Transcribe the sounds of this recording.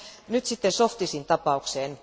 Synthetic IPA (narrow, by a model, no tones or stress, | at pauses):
nyt̪sit̪ːensoft̪isint̪ɑpɑukseːn